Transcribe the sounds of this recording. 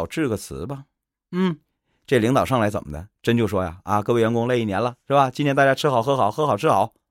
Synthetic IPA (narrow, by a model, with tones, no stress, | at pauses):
ʊʈ͡ʂɻ̩˥˩ɡə˩t͡sʰɹ̩˧˥bɐ˧ | n̩˥˩ | ʈ͡ʂe˥˩li˧˥ŋt̪ɑ˨˩ʊʂɑ˥˩ŋla˧˥t͡sə̰˨˩mə˦d̪ə̰˦ʈ͡ʂə˥nt͡ɕjo˥˩ʊʂwɔ˥ja̰˨˩a˧kɤ˥˧wɪɥɛ˧˥kʊ˥ŋle˥˧ɪi˥˩njɛ˧˥nlə˧ʂɻ̩˥˩bɐ˨˩t͡ɕi˥nt̪ʰjnt̪a˥˧˩t͡ɕja˥ʈ͡ʂʰɻ̩˥xɑ˨˩˦xɤ˧˥xɑ˨˩˦ʊxɤ˧˥xɑ˨˩ʊʈ͡ʂʰɻ̩˥xɑ˨˩˦ʊ